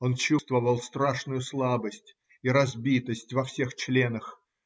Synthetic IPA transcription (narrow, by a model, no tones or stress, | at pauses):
o̞nt͡ɕust̪vəvəlˠst̪ɾaʂnʊjʊslˠabəsʲtʲ | iɾɐzbʲit̪əsʲtʲvɐfsʲe̞xt͡ɕlʲe̞nəx